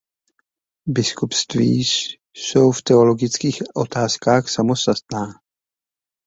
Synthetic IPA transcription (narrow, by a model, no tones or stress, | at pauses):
bɪskupst̪vḭːʃ | sowft̪ɛolo̞ɡɪt͡skiːxʔot̪aːskaːxsamost̪at̪̚naː